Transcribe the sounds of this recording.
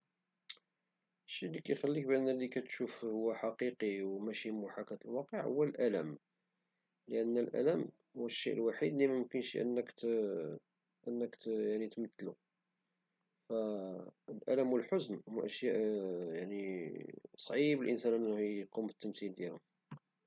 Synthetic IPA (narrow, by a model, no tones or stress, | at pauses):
əʃːilːikæjxælːik̚bænːælːikæt̪ʃufhʊwːæħɑqiqiwmæʃimuħakæt̪əlwɑqəʕhʊwːælʔælæm | ləʔənːælʔæ̰læm | hʊwəʃːiʔəlwaħid̪limæmʊmkənʃiʔə̰nːəkt̪ | ʔənːəkt̪jaʕnit̪mət̪ːlu | fæəlʔæ̰læmwəlħʊznwæʔəʃjæʔjaʕni | sˤʕibəlʔənsænʔənːhqumət̪ːəmsild̪jælhʊm